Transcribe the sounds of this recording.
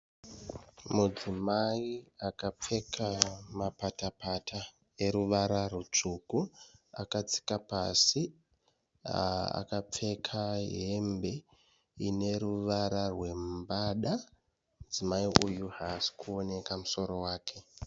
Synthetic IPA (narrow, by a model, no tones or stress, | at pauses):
mud͡zimaiakap͡fe̞kʰamapatapatʰa | e̞ɾuʋaɾarut͡ʂukua̰kat͡si̥kapa̰si | a̰a̰kap͡fe̞kʰaɦe̞mbe̞ | ine̞ɾuʋaɾarwe̞mbaɗa | ud͡zimaiʔujuɦasi̥kʰuo̞ne̞kamuso̞ɾo̞waːkʰe̞